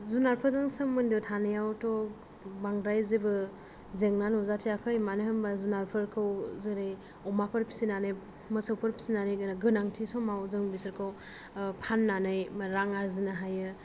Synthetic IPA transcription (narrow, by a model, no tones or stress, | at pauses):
zunaɾpʰɯɾzɯŋsɯmːɯndɯtʰanɯjawtɔ | baŋɾajzebɯ | zeŋnanɔzatʰijakʰajmanehɯmbazunaɾpʰɯɾkʰɯwzɯɾej | ɔmapʰɯɾpʰi̥sinanɯj | mɯsawpʰɯɾpʰi̥sinanɯjɡɯnaɡɯnaŋtʰisɔmawzɯŋbisɯɾkʰaw | pʰanːanɯjmɾaŋaɾzinaɦajɯ